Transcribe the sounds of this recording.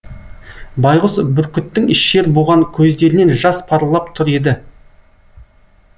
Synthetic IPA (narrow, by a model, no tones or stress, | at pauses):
bɑjʁəsbʏɾkʲʏt̪ːɪŋɪʃːe̞ɾboʁɑŋkʲʰɵzd̪e̞ɾɪne̞nʒɑspʰɑɾlˠɑp̚t̪ʰʊɾe̞d̪ɪ